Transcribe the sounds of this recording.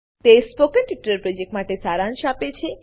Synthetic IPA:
t̪espokənʈiʈːəɾpɾɔd͡ʒek̚ʈmaʈesaɾãnʃapet͡ʃʰe

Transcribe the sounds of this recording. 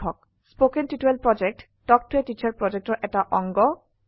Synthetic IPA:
ɔk̚ | spokentitelpɹɔd͡ʒek̚ʈːɔk̚tʰuetit͡ʃaɹpɹɔd͡ʑek̚ʈɔɹʔɛtaʔɔŋɡɔ

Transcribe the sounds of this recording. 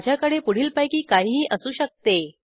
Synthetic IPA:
d͡ʑjakəɽepuɽ̤iːlpajkiːkaɦiːʔəsuːɕək̚t̪e

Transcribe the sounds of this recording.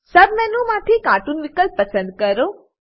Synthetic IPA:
səbmɛnũmaʈʰekaʈunʋikəlpːəsənd̪̚kəɾo

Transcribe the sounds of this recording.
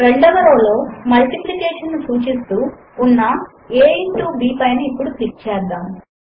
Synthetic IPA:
ɾeɳɖɐʋɐɾoːlo̞ːmɐlʈiplikeːʂɐnːusuːt͡ʃist̪uː | unːɐ | eːʈuːbiːpɐjnɐipːuɽut̪iʈt͡ʃɛːd̪ːaːm

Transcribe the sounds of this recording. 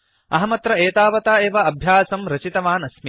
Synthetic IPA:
ɐɦɐmɐt̪ɾɐeːt̪aːʋɐt̪aːeːʋɐɐbʱjaːsɐmɾɐt͡ʃit̪ɐʋaːnɐsm

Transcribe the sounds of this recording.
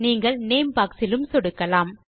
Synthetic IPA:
niːŋɡɐɭneːmpaːksɪlɯmsɔɽɯkːɐlaːm

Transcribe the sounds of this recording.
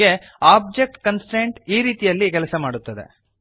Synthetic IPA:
e̞ | aːb̚d͡ʒe̞k̚ʈkɐnsʈeɳʈiːɾiːt̪ijɐlːikɛlɐsɐmaːɽut̪ːɐd̪e̞̰

